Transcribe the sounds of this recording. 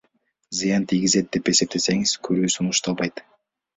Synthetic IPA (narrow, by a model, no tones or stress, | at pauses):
zɨjɑnt̪ʰiɡʲize̞t̪̚d̪epe̞se̞p̚t̪e̞se̞ŋɪz̥kʰɵɾyːsunuʃt̪ɑlˠbɑjt̪